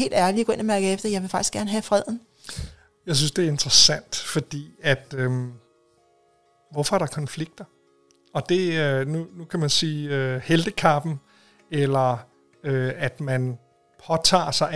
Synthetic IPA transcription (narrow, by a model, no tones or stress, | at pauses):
he̝̰ːldæɐliɐɡɔ̽e̝nɐmæɐɡ̥əefd̥ɐjɑ̈ɪʋe̝fɑ̈ɡ̥isɡ̥æɐnəɦæfʁɛð̞̰ˠn̩ | jɑ̈ɪs̬ynsd̥e̝æɐe̝nd̥ʁɐsæn̰d̥fɒ̽d̥ḭːæd̥øm | ʋɒfɒ̽æɐɾɑ̈kʰɒ̽nfliɡ̥̚d̥ɐ | ɒ̽d̥e̝ønunukʰæmænsiːøheld̥əkʰɑ̈b̥n̩ | elɐ | øæd̥mæn | pʰɒ̽t͡sʰɑ̰̈ːsɑ̈ɪ